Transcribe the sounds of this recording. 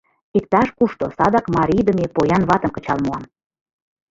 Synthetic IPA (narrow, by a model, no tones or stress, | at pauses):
ik̚t̪ɑʃkuʃt̪osɑd̪ɑkmɑɾʲijd̪ə̆mepojɑnβɑt̪ə̆mkə̥̆t͡ɕɑlmoɑm